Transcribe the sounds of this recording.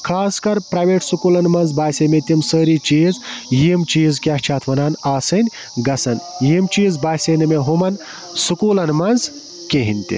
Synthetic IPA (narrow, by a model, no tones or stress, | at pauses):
kʰaːskɐɾpɾɐːʋeːʈsukuːlɐnmɐnzbaːsemet̪ʲimsəːɾit͡ʃiːzjiːmt͡ʃiːzkʲɐht͡ʃʰaːt̪ʰʋɐnaːnaːsɨnʲ | ɡɐsɐnjimt͡ʃiːzbaːseːnɐmeɦumɐn | sukuːlɐnmɐnz | keɦinʲt̪ḭ